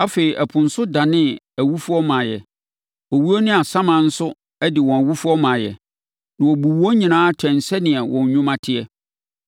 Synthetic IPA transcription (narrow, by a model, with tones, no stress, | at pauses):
a˦fe˨i˨ʔæ˨pʰʊ̃˨n̩˨sʊ˦da˨nɪ̃˦ | æ˨wu˦fu˦ɔ˦mã˨jɛ̰˨ | ɔ˨wu˦o˦nɪ̃˦a˨sã˦mã˨n̩˦sʊ˦ | ɛ˦dɪ˨wɔ̃˨æ˨wu˦fu˦ɔ˦mã˨jɛ̰˨ | nã˨wɔ˨bu˨wɔ˦ɲĩ˨nãː˦tʰɛ̃˨n̩˨sɛ˦nɪ̃˨ɛ˨wʔɔ̰̃˨ɲ˨˦ɲũ˦mã˦tʰɪ˦ɛ˦